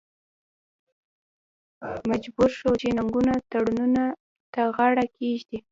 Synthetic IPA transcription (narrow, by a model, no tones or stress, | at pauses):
mad͡ʒbuɾʃot͡ʃenaŋɡunat̪aɽununa | t̪aɣaɽakeʒd̪i